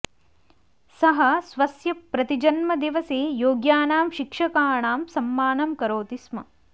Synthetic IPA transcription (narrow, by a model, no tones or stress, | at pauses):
sɐɦɐsʋɐsjɐpɾɐt̪id͡ʒɐnmɐd̪iʋɐseːjoːɡjaːnaːmʃikʂɐkaːɳaːmsɐmːaːnɐmkɐɾoːt̪ismɐ̰